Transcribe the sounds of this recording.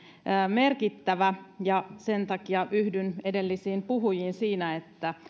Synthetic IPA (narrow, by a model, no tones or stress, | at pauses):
əːmerkit̪ːæʋæjɑsent̪ɑkiɑʔyhdynedelːisiːmpuɦujiːnsiːnæet̪ːæ